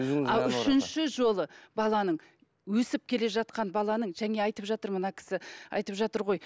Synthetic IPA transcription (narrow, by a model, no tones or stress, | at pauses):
ɑlˠʏʃɪnʃɪʒo̞lˠəbɑlˠɑnəɴ | wɵsɪp̚kʲʰe̞le̞ʒɑt̪̚qɑnbɑlˠɑnəɴʒæŋe̞ɑjt̪əpʒɑt̪əɾmənɑkʲʰɪ̥sɪɑ̰jt̪əpʒɑt̪əɾʁo̞j